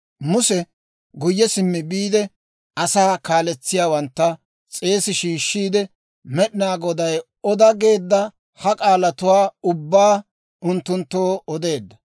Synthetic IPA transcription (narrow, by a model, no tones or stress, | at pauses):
mʊsɛ | ɡʊjːɛsɪmːɪbiːd̪ɛ | ɐsaːkaːlɛt͡sːɪjaːwɐnt̪ːɐ | t͡sʼe̞ːsɪʃiːʃːiːd̪ɛ | mɛɗɪnaːɡɔd̪ɐj | ɔd̪ɐɡe̞ːd̪ːɐ | hɐkʼaːlɐt̪ʊwaːʊbːaː | ʊnt̪ːʊnt̪ːoːɔd̪e̞ːd̪ːɐ